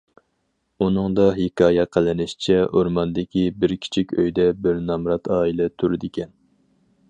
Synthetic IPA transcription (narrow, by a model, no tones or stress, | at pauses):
unɨŋd̪ɑɦɪkʰɑːjɛqʰəlˠɪnɪʃi̥t͡ʃʰɛʔoɾmɑnd̪ɪkʲʰibɪɾkʲʰi̥t͡ʃʰikʲøjd̪ɛbɪɾnɑmɾɑt̪ʰɑːilɛt̪ʰuɾɪd̪ɪkʲʰɛn